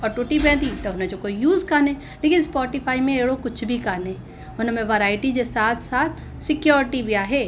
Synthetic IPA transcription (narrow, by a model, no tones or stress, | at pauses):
ɔːɾʈuʈibɛ̃ːd̪it̪ɐnãd͡ʒokoːijuːzkaːnẽ | leːkɪnspɔːʈifʰaːimẽeːɽokʊt͡ʃʰbʱikaːne | ʊnəmẽʋɐɾaːɪʈid͡ʒesaːt̪ʰsaːt̪̚ʰ | sɪkjɔːɾɪʈibʱiaːɦe